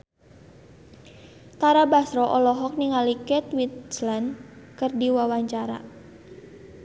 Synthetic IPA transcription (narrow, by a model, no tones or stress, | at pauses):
t̪aɾabasɾɔʔɔlɔɦɔk̚niŋalikɛt̪wit̪slankərdiwawaɲt͡ʃaɾa̰